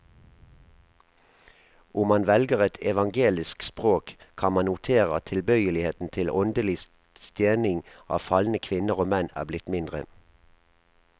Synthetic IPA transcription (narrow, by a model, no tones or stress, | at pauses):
ʊmɑnʋɛlɡəʁɛt̪ʰɛʋɑŋɡeːlɪskspʁoːkkʰɑnmɑnʊt̪ʰeːʁə̰t̪ʰɪlbœʏəlɪheːt̪n̩t̪ʰɪlɔnd̪əlɪs | st̪jeːnɪŋʔɑ̰ːfɑln̩əkʰʋɪnəʁoːmɛnæ̰ːblɪt̪mɪnd̪ʁə